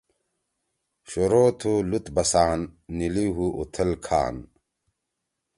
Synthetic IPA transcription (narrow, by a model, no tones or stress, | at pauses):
ɕoɾoːt̪ʰulut̪bɐsaːnːiliɦuʔut̪ʰɐlkʰa̰ːn